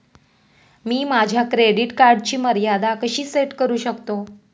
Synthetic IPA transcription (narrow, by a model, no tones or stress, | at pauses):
miːmad͡ʑʱjakɾeɽiʈkaɾɖt͡ɕiːməɾjad̪akəɕiːseʈkəɾuːɕəkt̪o